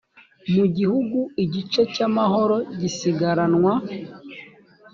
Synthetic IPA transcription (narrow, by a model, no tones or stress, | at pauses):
muɟihuɡuiɟit͡ʃecamahoɾo̞ɟisiɡaɾanwa